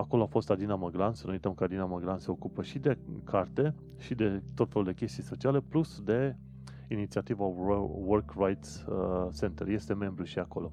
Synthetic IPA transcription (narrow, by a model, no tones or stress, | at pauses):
ako̞lo̞afo̞st̪ad̪inaməɡɾansənuujt̪əmkəad̪inaməɡɾanse̞o̞kupəʃid̪e̞kʰart̪e̞ | ʃid̪e̞t̪o̞t̪feluld̪e̞kʲe̞st̪ijso̞t͡ʃiale̞plusd̪e̞ | init̪siat̪ivawərkrajt̪sse̞nt̪ərje̞st̪e̞me̞mbɾuʃiako̞̰lo̞